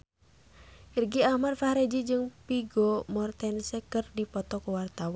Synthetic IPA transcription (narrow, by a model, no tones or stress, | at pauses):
ʔirɡiahmadfahɾed͡ʒid͡ʒɨŋpiɡɔmɔrt̪ɛnsɛkɨrdipɔt̪ɔkɔwart̪awan